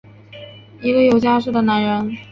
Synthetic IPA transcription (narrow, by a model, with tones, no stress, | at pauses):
i˧˥ɡə˧jo˨˩ʊt͡ɕja˥ʂɻ̩u˥˩d̪ə˩na˧˥nɻə˧˥n